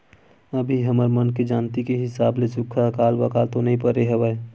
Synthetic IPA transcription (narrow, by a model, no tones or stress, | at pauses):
əbʱiɦəməɾmənked͡ʒaːnt̪ikeɦɪsaːblesʊkʰakaːlbəkaːlt̪onɐɦĩpəɾeɦəʋəe